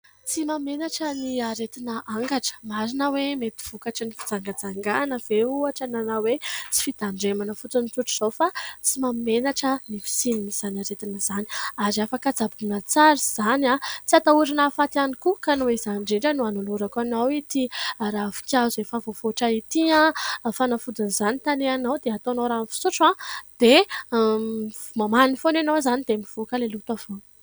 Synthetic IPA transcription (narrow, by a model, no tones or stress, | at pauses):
t͡simamenaʈ͡ʂəniaɾet̪inəʔaŋɡaʈ͡ʂə̥maɾinəwemet̪i̥v̥ukaʈ͡ʂanifid͡zaŋɡad͡zaŋɡanəv̥euaʈ͡ʂananawet͡si̥fid̪aɳɖ͡ʐemanəfut͡sunit͡s̪uʈ͡ʂuz̥ofat͡simammenaʈ͡ʂənifi̥sininiz̥anaɾet̪inəz̥aniaɾiafakad͡zabunat͡saɾiz̥anat͡siat̪auɾinafat̪ianikukanueizaɳɖ͡ʐeɳɖ͡ʐənuanuluɾakanawit̪iɾavi̥kʲazefavofoʈ͡ʂait̪iãfanafud̪unizanit̪aneanawd̪eat̪onowɾanfi̥suʈ͡ʂãd̪̥e | mamaniifonanowzanid̪emiv̥okəlelut̪avon